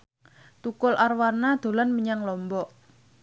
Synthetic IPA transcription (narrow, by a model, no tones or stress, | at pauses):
t̪ukʊlʔarwanad̪̥o̤lanməɲaŋlɔmbɔʔ